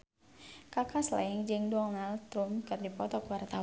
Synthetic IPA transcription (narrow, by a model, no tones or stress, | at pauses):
kakasla̰ɪŋd͡ʒɨŋdɔŋnalt̪ɾumkɨrdipɔt̪ɔkwart̪a